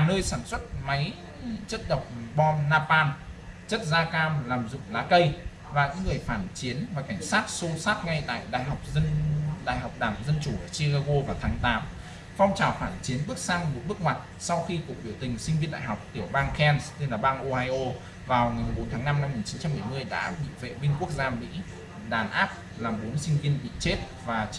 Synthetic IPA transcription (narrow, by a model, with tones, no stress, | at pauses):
nəː˧jsaː˧˩nswə˦˥t̚ma˨˦j | t͡ɕə˦˥t̚ɗə˨˩wk͡p̚ɓɔ˧nːaː˧paː˧n | t͡ɕə˦˥t̚zaː˧kaː˧mlaː˨˩mzʊ̰˧˨ŋ͡mlaː˨˦kə˧j | vaː˨˩ɲɨ̰˧˥ŋːɨ˨˩əjfaː˧˩nt͡ɕi˨˦ənvaː˨˩ka˧˩jŋ̟saː˦˥t̚so˧saː˦˥t̚ŋa˧jt̪a̰ː˧˨jɗa̰ː˧˨jɦa˨˩wk͡p̚ə˧nɗa̰ː˧˨jɦa˨˩wk͡p̚ɗaː˧˩mzə˧nt͡ɕu˧˩ʔəː˧˩si˧kaː˧ɣo˧vaː˨˩t̪ʰaː˨˦ŋt̪aː˨˦m | fa˧wŋ͡mt͡ɕaː˨˩wfaː˧˩nt͡ɕi˨˦ənɓɨ˦˥ək̚saː˧ŋmṵ˨˧˥ɓɨ˦˥ək̚mwa˨˩t̚ | sa˧wxi˧ku˨˩ək̚ɓi˧˩əwt̪ï˨˩ŋ̟sï˧ŋ̟vi˧ənɗa̰ː˧˨jɦa˨˩wk͡p̚t̪i˧˩əwɓaː˧ŋkɛ˧nst̪e˧nlaː˨˩ɓaː˧ŋʔo˧haː˧jʔo˧ | vaː˨˩wŋa˨˩jm˨˩ɓo˨˦nt̪ʰaː˨˦na˧mna˧mːi˨˩nt͡ɕi˨˦nt͡ɕa˧mɓə˧˩jmɨ˧əjɗa̰ː˧˥ɓḭ˧˨vḛ˧˨mï˧ŋku˦˥ək̚zaː˧mḭ˧˥ | ɗaː˨˩nʔaː˦˥p̚ | laː˨˩mɓo˨˦nsï˧ŋ̟vi˧ənɓḭ˧˨t͡ɕe˦˥t̚ | vaː˨˩